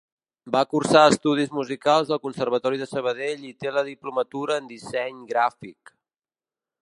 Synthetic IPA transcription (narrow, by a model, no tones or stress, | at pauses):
bakursaəst̪uð̞izmuzikalˠzðəlˠkunsərβ̞ət̪ɔɾiðəsəβ̞əðeʎit̪eləðiplumət̪uɾəːnd̪isɛɲɡɾafik